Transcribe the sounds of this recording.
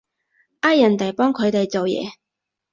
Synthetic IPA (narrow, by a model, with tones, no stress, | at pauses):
ʔaː˥jɐ˨˩nt̪ɐ˨˩jpɔː˥ŋkʰɵ˨˧ɥt̪e˨jt͡so˨wjɛ̰ː˨˧